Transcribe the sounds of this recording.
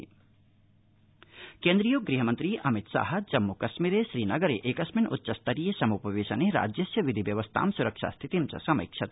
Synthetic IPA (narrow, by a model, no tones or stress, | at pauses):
keːnd̪ɾijoːɡɾiɦɐmɐnt̪ɾiʔɐmit̪sa̰ːɦɐd͡ʒɐmːukɐʃmiːɾeʃɾiːnɐɡɐɾeʔekɐsminṵtːt͡ʃɐst̪ɐɾijesɐmupɐʋeːʃɐneɾa̰ːd͡ʒjɐsjɐʋid̪ʱiʋjɐʋɐst̪ʰa̰ːmsuɾɐkʃa̰ːst̪ʰit̪imt͡ʃɐ̰sɐmḭkʃʰɐt̪